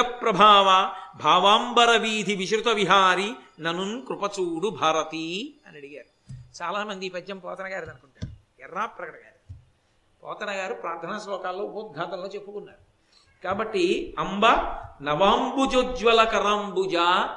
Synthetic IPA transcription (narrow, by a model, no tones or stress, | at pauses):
ɐpɾɐbʱaːʋɐbʱaːʋaːmbɐɾɐʋiːd̪ʱiʋiʃɾut̪ɐʋiɦaːɾi | nɐnunkɾupɐt͡ʃuːɽubʱaːɾɐt̪iɐnɐɽiɡaːɾu | t͡ʃaːlaːmɐnd̪ipɐd͡ʒːɐmpɔːt̪ɐnɐɡaːɾd̪ɐnukuɳʈa̰ːɾuɛrːaːpːɾɐkɐʈɐɡaːɾu | pɔ̰ːt̪ɐnɐɡaːɾupɾaːɾd̪ʱɐnɐslɔːkaːlːoːbuːt̪̚ɡʱaːt̪ɐlːoːt͡ʃepːukunːaːɾu | kaːbɐʈːiɐmbɐnɐʋaːmbud͡ʒoːd͡ʒʋɐlɐkɐɾambud͡ʒaː